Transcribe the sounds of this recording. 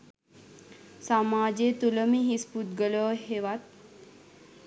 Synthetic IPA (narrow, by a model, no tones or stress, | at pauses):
samaːd͡ʒet̪uləmiɦisput̪̚ɡələʋɦeʋat̪̚